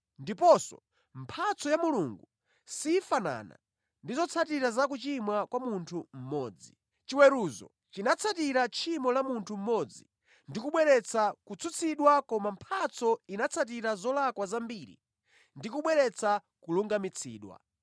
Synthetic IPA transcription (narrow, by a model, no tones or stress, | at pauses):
ndipɔsɔ̰ | m̩pʰat͡sɔjamuluŋɡu | sifana̰na̰ | ndizɔt͡sʰatiɾazakut͡ʃimwakwamuntʰum̩mɔːd͡zi | t͡ʃiwɛɾuzɔ̰ | t͡ʃinat͡sʰatiɾat͡ʃʰimɔlamuntʰum̩mɔd͡zi | ndikuɓwɛɾɛt͡sʰakut͡sʰut͡sʰiɗwakɔmampʰat͡sʰɔinat͡sʰat̬iɾazɔlakwazambiɾḭ | ndikuɓwɛɾɛt͡sʰa | kuluŋɡamit͡sʰḭːɗwa̰